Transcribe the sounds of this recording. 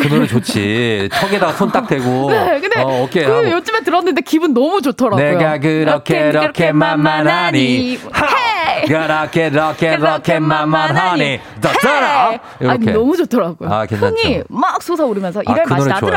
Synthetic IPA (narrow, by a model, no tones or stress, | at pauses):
kɯnoɾɯt͡ɕot͡ɕʰit͡ɕʰʌɡedaɡasʰont͈ak̚t͈weɡonekɯndeʌkʰeɯjot͡ɕ͈ɯmet̬ɯɾʌnːɯnde̞kibɯnːʌmut͡ɕotʰʌɾaneɡak̬ɯɾʌkʰeɾʌkʰemamːanhaɲi | kɯɾʌkʰeɾʌkʰeɾʌkʰemamːanɦaɲi | t͈as͈aɾa | aikenʌmud͡ʑotʰʌɾaɡojoakent͡ɕʰaɲimak̚s͈ʰusʰauɾɯmjʌnsʰʌʔiɾeɯaoaoɾ